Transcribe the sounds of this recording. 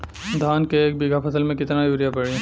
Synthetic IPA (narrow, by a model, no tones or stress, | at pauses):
d̪ʱaːnkeːk̚biːɡʱapʰɐsəlmẽkɪt̪najuːɾijapɐɽiẽ